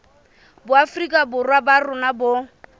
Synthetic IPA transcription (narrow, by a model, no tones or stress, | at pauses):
bʊafrikʼabʊrwabarʊnabʊ